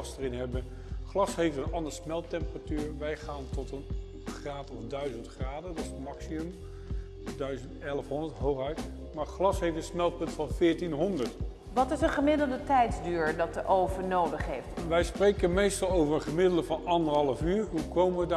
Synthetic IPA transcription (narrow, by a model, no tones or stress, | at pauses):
sdərɪnɦɛbən | χlɑsɦejftənɑndəɹsmɛlˠtɛmpəratyːɹʋɛjχaːntɔtən | χraːtɔfdœɥzəntχraːdədɑtsəmɑksimɵm | dœɥzəntɛləfɦɔndətɦowχœɥt | maːɹχlɑsɦejftə̃nsmɛlˠpɵntfɑnvɪːɹtinɦɔndəɹt | ʋɑtɪsənχəmɪdəl̩dətɛjtzdyːɹdɑtəʔowvənowdəχɦejftʋɛjsprejkənmejstɑlˠowvəɹəχəmɪdələvɑnɑndəɹɦɑlˠəfyːɹɦukowməʋəda